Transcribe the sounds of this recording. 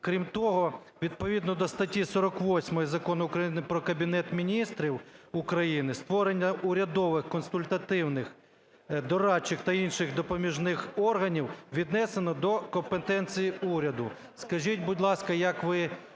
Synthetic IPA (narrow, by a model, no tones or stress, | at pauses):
kɾʲimt̪ɔɦɔ | ʋʲid̪̚pɔʋʲid̪nɔd̪ɔst̪ɐtʲisɔɾɔkʋɔsʲmɔjizɐkɔnʊʊkɾɐjinɪpɾɔkɐbʲinɛt̪mʲinʲist̪ɾʲiwʊkɾɐjinɪst̪ʋɔɾenʲːɐʔʊɾʲɐd̪ɔʋɪxkɔnsʊlʲt̪ɐt̪ɪwnɪx | d̪ɔɾɑt͡ʃːɪxt̪ɐinʃɪxd̪ɔpɔmʲiʒnɪxɔrɦɐnʲiwʋʲid̪nɛsenɔd̪ɔkɔmpet̪ɛnt͡sʲijiuɾʲɐd̪ʊ | skɐʒʲitʲbʊdʲlˠɑskɐjɐkʋɪ